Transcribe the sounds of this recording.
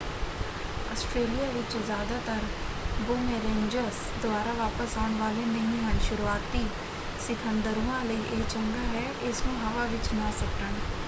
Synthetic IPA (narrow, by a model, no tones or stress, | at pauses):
əsʈɾeːlijaːʋɪt͡ʃzjaːd̪aːt̪əɾ | boːmɛːɾeːnd͡ʒəɾs | d̪ʊaːɾaːʋaːpəsaːɳʋaːleːnəɦĩːɦənʃʊɾuaːt̪iː | sɪkʰənd̪əɾuːãːləiːʔeːt͡ʃəŋɡaːɦɛːʔɪsnũːɦəʋaːʋɪt͡ʃnãːsəkəɳ